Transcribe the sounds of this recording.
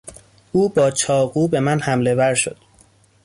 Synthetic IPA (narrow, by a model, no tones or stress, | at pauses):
ʔuːbɒːt͡ʃʰɒːɣuːbe̞mænhæmle̞væɾʃo̞̰d̪̥